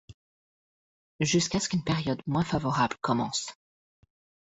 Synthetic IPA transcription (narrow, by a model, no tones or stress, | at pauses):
ʒyskaskynpeʁjɔd̪mwɛ̃favɔʁablkɔmɑ̃s